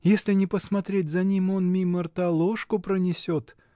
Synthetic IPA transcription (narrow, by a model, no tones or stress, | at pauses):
jesʲlʲɪnʲɪpəsmɐt̪ɾʲet̚ʲzɐnʲimo̞nmʲimərt̪ɐlˠoʂkʊpɾənʲɪsʲot̪